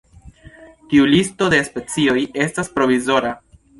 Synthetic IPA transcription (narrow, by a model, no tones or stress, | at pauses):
tiulisto̞despe̞t͡sio̞je̞staspɾo̞vizo̞ɾa